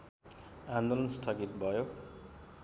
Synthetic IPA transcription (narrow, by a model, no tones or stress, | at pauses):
and̪olʌnst̪ʰʌɡit̪̚bʱʌjo